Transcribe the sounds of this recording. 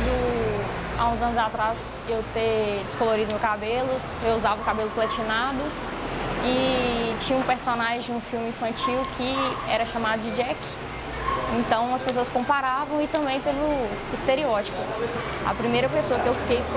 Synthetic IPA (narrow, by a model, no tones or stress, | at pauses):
d̪ʊ | a̰ũzɐ̃nʊzat̪ɾaz | ewt̪ed͡ʒɪskoloɾid̪ʊmewkabelʊ | ewuzavɐʊkabelʊplɐt͡ʃinad̪ʊ | ɪt͡ʃĩɲɐũpeɾsonaʒẽd͡ʒũfiwmɪĩfɐ̃t͡ʃiwkʰɪɛɾɐʃamad̪ʊd͡ʒɪd͡ʒɛk | ẽnt̪ɐ̃w̃ɐspes̬oɐskõmpaɾavɐ̃w̃ɪt̪ɐ̃bẽj̃pelʊist̪eɾiɔt͡ʃi̥pʊ | ɐ̰pɾimejɾɐpesoɐkɪewfi̥kej